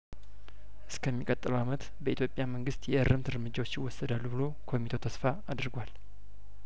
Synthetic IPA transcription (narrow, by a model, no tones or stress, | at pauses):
ʔɨskʰəmːikʼət̪ʼːɨləwamət̪ | bəit̪jo̞pʼjaməŋɡɨst̪jɛʔɨrːɨmt̪ɨɾmɨd͡ʒawot͡ʃːjɪwɔsːəd̪alːubɨlo̞kʰo̞mit̪ʰot̪ʰəsfaad̪ɨɾɡwal